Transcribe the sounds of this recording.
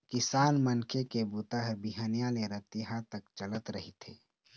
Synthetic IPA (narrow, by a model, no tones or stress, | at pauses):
kɪsaːnmənkʰekebut̪aɦɾbiɦanijaleɾət̪iɦat̪ɐkt͡ʃələt̪ɾɐɦit̪ʰḛː